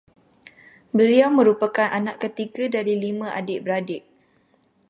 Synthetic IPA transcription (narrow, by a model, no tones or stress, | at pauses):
bəliawmə̃ɾupakanʔanaʔkət̪iɡadaɾilimãʔa̰dɪʔbəɾadɪʔ